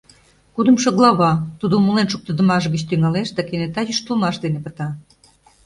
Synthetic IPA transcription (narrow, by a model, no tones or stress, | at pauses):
kud̪ə̆mʃoɣlˠɑβɑt̪ud̪omulenʃuk̚t̪ə̆d̪ə̆mɑʃɡə̆t͡ɕt̪yŋɑleʃd̪ɑkenet̪ɑjyʃt̪əlmɑʃd̪enepə̆t̪ɑ